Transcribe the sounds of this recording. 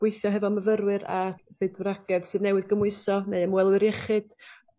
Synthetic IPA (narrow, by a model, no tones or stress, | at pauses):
weɨθjɔɦɛvɔməvəɾwɨɾa̰bɨdwraɡɛðsɨːðnɛwɨðɡəmʊɨsɔneɨəmwɛlˠwɨɾjɛχɨd̥